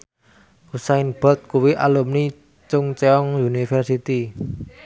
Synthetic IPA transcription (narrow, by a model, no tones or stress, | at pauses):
usaɪnb̥ɔ̤t̪̚kuwiʔa̰lʊmni | t͡ʃʊŋt͡ʃeɔŋjunifɛrsit̪i